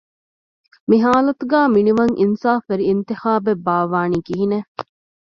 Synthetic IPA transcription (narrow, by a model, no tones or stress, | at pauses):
miɦaːlɐt̪uɡæːminiʋɐŋʔinsaːfʋeɾiːnt̪ixaːbebaːʋaːniːkiɦine